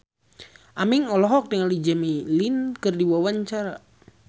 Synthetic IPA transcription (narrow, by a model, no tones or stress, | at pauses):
ʔamiŋɔlɔɦɔk̚dəŋalid͡ʒamilinkɨrdiwawaɲt͡ʃaɾa